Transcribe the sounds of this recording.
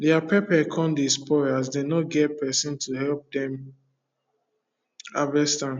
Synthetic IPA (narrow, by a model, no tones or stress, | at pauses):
dɛapʰepɛkʰɔ̃ndispɔɹazdenɔt̚ɡɛt̚pɛsɔ̃ntʰuɦɛlp̚dɛ̃m | avɛstãm